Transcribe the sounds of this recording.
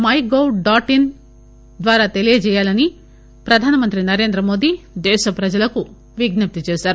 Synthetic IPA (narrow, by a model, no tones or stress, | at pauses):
mɐjɡowɖaːʈin | d̪ʋaːɾaːt̪e̞lijɐt͡ʃɛːjaːlɐni | pɾɐd̪ʱaːnɐmɐnt̪ɾinɐɾe̞ːnd̪ɾɐmo̞ːd̪id̪ɛːʃɐpɾɐd͡ʒɐlɐku | ʋiɡnɐp̚t̪it͡ʃɛːsaːɾu